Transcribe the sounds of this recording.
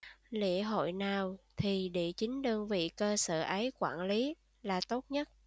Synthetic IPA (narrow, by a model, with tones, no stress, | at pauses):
lḭ˧˨əɦo̰˧˨jnaː˨˩wt̪ʰi˨˩ɗḭ˧˨t͡ɕï˨˦ŋ̟ɗəː˧ŋvḭ˧˨kəː˧sə̰ː˧˨ʔə˨˦jkwa̰ː˧˩nli˨˦ | laː˨˩t̪o˦˥t̚ɲə˦˥t̚